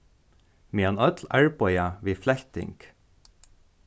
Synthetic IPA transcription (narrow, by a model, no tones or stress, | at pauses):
miːɑnœt̪læɹpɔʏɑʋiːflæçt̪ɪ̰ŋk